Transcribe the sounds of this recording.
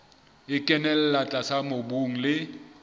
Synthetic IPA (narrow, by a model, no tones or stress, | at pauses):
ɪkʼɛnɛl̩lat͡ɬʼasamobuŋ̩lɪ